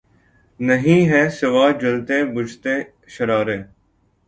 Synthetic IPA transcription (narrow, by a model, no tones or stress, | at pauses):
nəɦĩːɦɛːsɪʋaːd͡ʒəlt̪ẽːbʊd͡ʒt̪ẽː | ʃəɾaːɾeː